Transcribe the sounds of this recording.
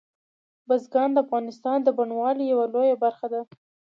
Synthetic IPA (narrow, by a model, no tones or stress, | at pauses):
bazɡɑnd̪əafɣɑnɪst̪ɑnd̪əbaɳwɑlijawalojabaɾxad̪a